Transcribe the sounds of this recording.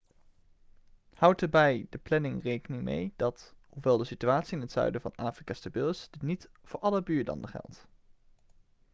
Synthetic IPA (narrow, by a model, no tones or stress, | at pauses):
hʌwtəɹbɛjdəplɛnɪŋrejkənɪŋmḛjd̥ɑthuʋɛlˠdəsityaːtsiɪnətsœ̰ɥdəvɑ̰naːfrikaːstabɪlˠɪsd̥ɪtnit | vʊːɹʔɑləbyːɹlɑ̰ndəχɛ̰lˠt